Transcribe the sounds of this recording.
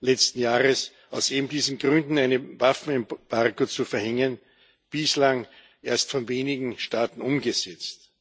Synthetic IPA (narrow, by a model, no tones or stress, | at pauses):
lɛt͡stn̩jaːʁəs | aʊseːbm̩diːzn̩ɡʁʏndn̩æɪnəvafn̩ɛmb̥aʁɡot͡sufɛɐhɛŋən | b̥ɪslaŋ | ʔeːɐstfɔnveːnɪɡŋ̩ʃtaːtn̩ʊmɡəzɛt͡st